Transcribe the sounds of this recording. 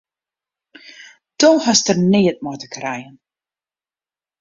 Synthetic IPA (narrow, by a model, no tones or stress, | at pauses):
d̥ohɔstərneːət̚motəkrɛjən